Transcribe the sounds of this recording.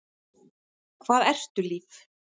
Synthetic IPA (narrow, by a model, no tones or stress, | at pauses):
kʰv̥aːðɛr̥t̪ʏliːf